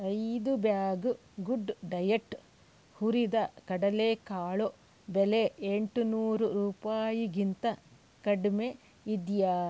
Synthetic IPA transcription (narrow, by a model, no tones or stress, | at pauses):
ɐjd̪ubjaːɡu | ɡuɖɖɐjɐʈː | huɾid̪ɐkɐɽɐlekaːɭo | beleeɳʈunuːɾuɾuːpaːjiɡint̪ɐ | kɐɖme | id̪ja